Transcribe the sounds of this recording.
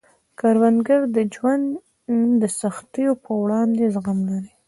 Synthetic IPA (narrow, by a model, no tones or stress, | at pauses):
kaɾwand̪ɡaɾd̪əd͡ʒwand̪ | d̪əsaxt̪əjopəwɽɑnd̪ezaɣamlaɾi